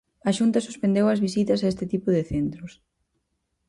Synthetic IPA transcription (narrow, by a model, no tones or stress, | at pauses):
ɐʃunt̪ɐsu̥spend̪ewɐzβisit̪ɐsaest̪ɪt̪ipʊðɪθent̪ɾʊs